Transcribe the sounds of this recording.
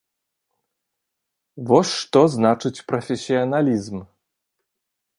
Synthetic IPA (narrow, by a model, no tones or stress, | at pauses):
vɔsʲʂt̪ɔznat͡ʂɨt͡sʲpɾɐfʲesʲːiɐnalʲizm